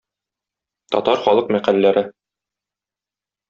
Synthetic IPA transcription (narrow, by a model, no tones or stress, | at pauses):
t̪ɒ̰t̪ɑɾχɒlˠɤqmæqælːæɾɘ